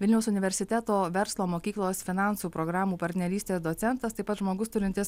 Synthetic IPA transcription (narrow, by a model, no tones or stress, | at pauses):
ʋʲɪlʲnʲɛʊsʊnʲɪʋʲɛɾʲsʲɪt̪ʲæːt̪oːʋʲɛɾslˠoːmoːkʲiːklˠoːsfʲɪnɑˑnsuːpɾoɡɾɑːmuːpɐɾʲt̪ʲnʲɛɾʲiːsʲt̪ʲeːsd̪oːt̪sʲɛnt̪ɐst̪ɐɪpɐt̪ʒmoːɡʊst̪ʊɾʲɪnʲt̪ʲɪs